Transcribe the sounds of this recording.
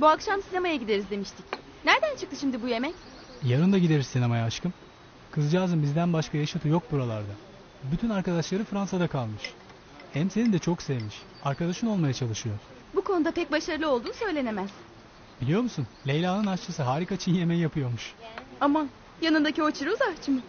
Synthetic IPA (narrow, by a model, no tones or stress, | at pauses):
buakʃamsinemajaɟid̪e̞ɾizd̪e̞miʃt̪ʰic | næɾd̪ænt͡ʃʰɯk̚t̪ʰɯʃimd̪ibuje̞mɛc | jaɾɯnd̪aɟid̪e̞ɾizsinemajaːʃkʰɯm | kʰɯzd͡ʒaːzɯmbizd̪ænbaʃkʰajaʃat̪ʰɯjo̞k̚buɾalˠaɾd̪a | byt̪ʰynaɾkad̪aʃlˠaɾɯfɾansad̪akʰalˠmɯʃ | hɛmse̞nind̪ɛt͡ʃʰo̞ksevmiʃ | aɾkad̪aʃɯno̞lˠmajat͡ʃʰalˠɯʃɯjo̞ɾ̥ | bukʰo̞nud̪apɛc̚baʃaɾɯlˠɯolˠd̪uːnsø̞jlʲe̞ne̞mæz̥ | b̥ilʲijo̞ɾmusunlʲejlʲaːnɯnast͡ʃʰasɯɦaːɾikat͡ʃʰinje̞mɛjjapʰɯjo̞ɾmuʃama | janɯnd̪acio̞t͡ʃʰɯɾuuzat͡ʃʰɯmɯ